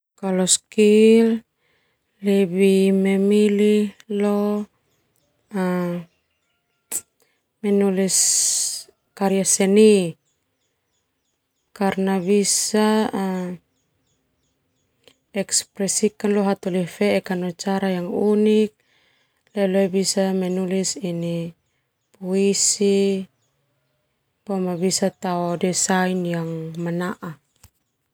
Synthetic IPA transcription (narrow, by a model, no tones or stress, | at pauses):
kalɔskil | lːɛbimɛmililɔ | a | mɛnulis | kaɾiasɛni | karnaβisa | ɛkspɾɛsikanlɔɦat̪ɔlifɛːkanɔt͡ʃaɾajaŋunik̚ | lɛloɛbisamɛnulisini | puisi | pamabisat̪aɔdɛsainjaŋmanaʔa